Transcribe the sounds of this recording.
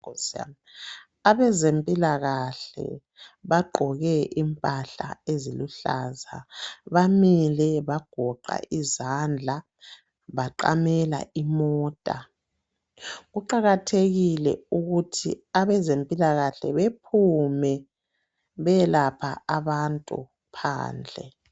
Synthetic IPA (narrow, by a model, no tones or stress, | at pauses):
sa̰ | aβɛzempʼilaɣaɬɛ̰ | βaɡ͡ǃʱɔɣɛʔimpʼaɬa̰eziluɬa̰ːzaβamilɛβaɡ̥ʱɔǃa̰ʔizand͡ɮʱa | βaǃa̰mɛla̰ʔimɔːtʼa | ɣuǃaɣatʰeɣilɛ̰uɣutʰḭaβɛzempʼilaɣaɬɛ̰βepʰumɛ | βɛlapʰaaβantʼṵ | pʰa̰ːnd͡ɮʱɛ̰